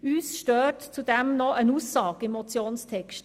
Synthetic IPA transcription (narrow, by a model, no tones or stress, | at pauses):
yːsʃtøːtt͡sudɛmnɔʔənuːsːɑːkɪmɔt͡sjoːnstʰɛkʃt